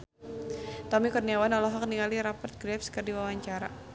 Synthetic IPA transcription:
t̪ɔmikɔrniawanɔlɔɦɔk̚niŋaliɾapərt̪̚ɡɾɛfskɨrdiwawaɲt͡ʃaɾa̰

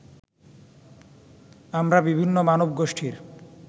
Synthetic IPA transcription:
amɾabibʱinːomanobɡoʃʈʰiɾ

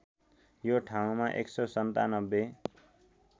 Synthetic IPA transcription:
joʈʰaũmaʔḛksʌsʌnt̪a̰nʌbːe

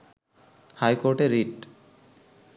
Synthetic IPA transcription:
hajkoɾʈeɾːiʈ

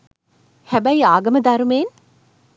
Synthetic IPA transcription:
hæbæiaːɡɐməd̪ɐɾumeːn

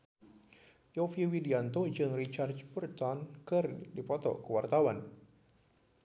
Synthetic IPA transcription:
jofiwidiant̪od͡ʒənrit͡ʃart͡ʃpərt̪ɔnkərdipɔt̪ɔ̰ʔkəwart̪awan

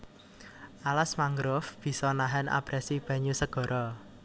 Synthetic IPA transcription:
ʔalasmaŋɡɾʊfb̥i̤sɔnaɦanʔa̰b̥ɾɛsib̥ä̤ɲusəɡ̥ɔ̤ɾʔɔ

